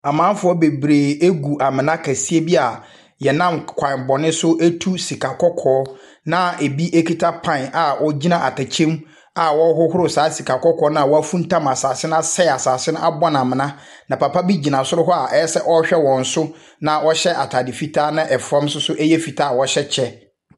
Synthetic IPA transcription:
a˨mã˦fʊ˨˦ɔ˦be˨bɾeː˨e˦ɡu˨ʔa˨mɪ̃˨nã˦kʰa˨si˦e˦bi˦a˨ | jɛ˨nã˦mkʰʷã˨bɔ˨nɪ̃˦sʊ˦ʔe˦tʰu˦si˨kʰa˨kʰɔ˦kʰɔː˨˦ | nã˦e˨bi˦ʔe˦kʰi˦tʰa˦pʰã˦˨n˨a˨wɔ˦d͡ʑi˦nã˨ʔa˨tʰa˨t͡ɕʰẽ˦m | a˨wɔ˦ɦʊ˦hʊ˦ɾʊ˨saː˨˦si˨kʰa˨kɔ˦kʰɔː˨˦nã˦a˨wɔ˦æ˦fũ˦n˦tʰã˦˨ma˨saː˨sɪ˦n˦a˦sɛ˦˨a˨saː˨sɪ˦ñ˦ʔa̰˦bɔ̃˦n˨ã˨mɪ̃˨nã˦ | nã˨pa˨pʰa˦bi˦d͡ʑi˨nã˨sʊ˦ɾʊ˦ɦɔ˦a˨ʔɛ˦sɛ˦ʔɔ˦ɕᶣɛ˦wɔ̃˨n̩˨sʊ˦ | nã˨ʔɔ˦ɕɛ˦ʔa˨tʰa˨dɪ˨fi˨tʰa˦nã˦ʔɛ˨fɾã˦msʊ˦sʊ˦ʔɛ˦jɛ˦fi˨tʰaː˦˨wɔ˦ɕɛ˦t͡ɕʰɛ˦

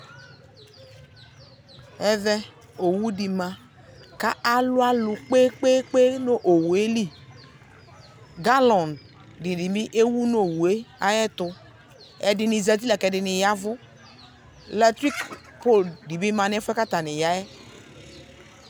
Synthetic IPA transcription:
ɛ˨ðɛ˦ | o˨wu˦di˨mã˨ | ka˦ʔa˦lʊ˦a˦lʊ˨k͡pe˦k͡pe˦k͡pe˦no˦˨ʔo˨wu˨e˦li˦˨ | ɡa˦lɔ˨n | dɪ˨di˨mi˦ʔe˦wu˦no˦˨wu˨e˦a̰˦jɛ˦tʊ˨ | ɛ˨dɪ˨ni˨za˨t̬i˦la˨kɛ˨dɪ˨nɪ˨ja˦vʊ˦ | lɛ˦tɾi˦k | po˦˨ldi˨bi˦ma˨n˦ɛ˦fɛ˦ka˦ta˨nɪ˨ja˦jɛ˦

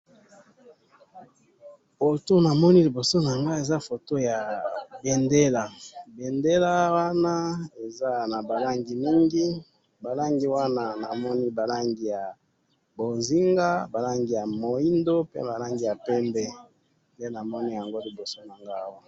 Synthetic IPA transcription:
fo˨to˦na˨mɔ˦ni˦li˨bo˨so˦na˨ŋɡa˦e˨za˦fo˨to˦ja˨be˨nde˦la˨be˨nde˦la˦wa˦na˦e˨za˦na˨ba˨la˦ŋɡi˨mi˦ŋɡi˦ | ba˨la˦ŋɡi˦wa˦na˦na˨mɔ˦ni˦ba˨la˦ŋɡi˨ja˨ | bo˨zi˦ŋɡa˦ba˨la˦ŋɡi˨ja˨mo˨i˦ndo˦pḛ˦ba˨la˦ŋɡi˦˨ja˨pɛ˦mbɛ˦ | nde˦na˨mɔ˦ni˦ja˨ŋɡo˦li˨bo˨so˦na˨ŋɡa˦wa˦˨

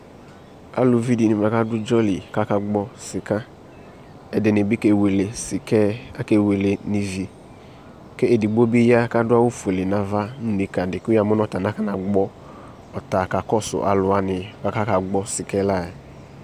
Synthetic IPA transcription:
a̰˨lʊ˨vi˦di˨nɪ˨ma˨ka˦dʊ˦d͡ʒɔ˦li˨ka˦ka˦ɡ͡bɔ˦sɪ˨ka˦ | ɛ˦dɪ˨nɪ˨bi˦ke˨we˨le˨skɛ˦a˦ke˨we˨le˨ni˨vi˨ | ke˦e˨di˨ɡ͡bo˦bi˦ja˦ka˦dʊ˦a˦wo˦fu˨e˨le˨na˨va˦nu˦ni˨ka˨dɪ˨ka˨mʊ˦nɔ˦ta˨na˦ka˦na˨ɡ͡bɔ˦ | ɔ˨ta˨ka˨kɔ˦sʊ̰˨ʔa˨lʊ˨a˦nɪ˨ka˨ka˦ka˨ɡ͡bɔ˦sɪ˨kɛ˦la˦˨ɛ˨

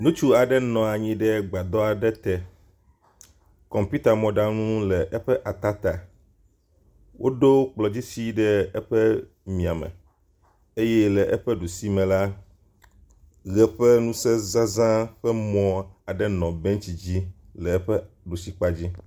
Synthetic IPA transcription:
nũ˦t͡ʃu˦a˨ɖɛ˦nɔ̃˨a˨ɲĩ˦ɖɛ˦ɡ͡ba˨d̪ɔ˦a˨ɖɛ˦t̪ɛ˨ | kɔ̃˨mpi˦t̪a˨mɔ̃˨ɖa˦nũ˦lɛ˨ʔɛ˦ɸɛ˦ʔa˨t̪a˦t̪a˨ | wʔo˦ɖo˦k͡plɔ˨d͡ʑi˦si˦ɖɛ˦ɛ˦ɸɛ˦ | mĩ˨a˨mɛ̰̃˨ | e˦jɛ˦lɛ˨ʔɛ˦ɸɛ˦ɖu˨si˦mɛ̃˨la˦ | ɣɛ˦ɸɛ˦nũ˦sɛ˦zã˦zã˦ɸɛ˦mɔ̃˦a˨ɖɛ˦nɔ̃˨bɛ̃˦ŋt͡ɕi˨d͡ʑi˦lɛ˨ɛ˦ɸɛ˦ | ɖu˨si˨k͡pa˦d͡ʑi˦

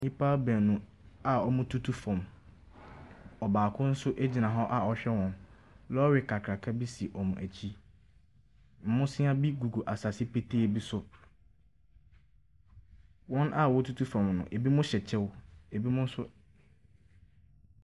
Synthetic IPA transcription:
ɲĩ˦pʰaː˦bæ̃˨nʊ̃˨a˨ɔ˦mʊ̃˦tʰu˦tʰu˦fɔ̃˨m | ɔ˨baː˨kʰʊ̃˦n̩˦sʊ˦ʔe˦d͡ʑi˨nã˨ɦɔ˦ʔa˦ɔ˨ɕᶣɛ˦wɔ̃˨n | lɔ˦ɥɪ˨kʰa˨kʰɾa˨kʰa˦bi˦si˨ʔɔ˨mũ˨ʔæ˨t͡ɕʰi˦ | m̩˨mʊ̃˦sɪ̃˦a˦bi˦ɡu˨ɡo˨ʔa˨sa˨si˦pʰe˦tʰe˦˨bi˦sʊ˦ | wɔ̃˦nʔa˦wɔ˦tʰu˦tʰu˦fɔ̃˨mnʊ̰̃˨ʔe˨bi˦mʊ̃˦ɕɛ˨t͡ɕʰɛ˦we˨bi˦mʊ̃˦n̩˦sʊ˦

